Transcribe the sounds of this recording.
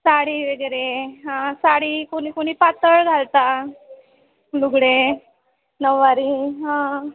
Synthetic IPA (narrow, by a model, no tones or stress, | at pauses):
saɽiːʋeɡəɾeɦãsaɽiːkoñiːkoɽ̃iːpat̪əɭɡʱalt̪a | luɡɽe | nəʋːaɾiɦã